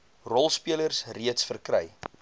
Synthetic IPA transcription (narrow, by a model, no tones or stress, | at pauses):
rɔlˠspiələrsriətsfərkrɛj